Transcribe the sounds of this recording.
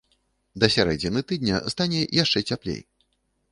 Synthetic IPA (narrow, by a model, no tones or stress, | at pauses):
d̪ɐsʲaɾɛ̰d͡zʲɛnɨt̪ɨd̪nʲɐ̰st̪anʲɛjaʂt͡ʂɛt͡sʲaplʲḛj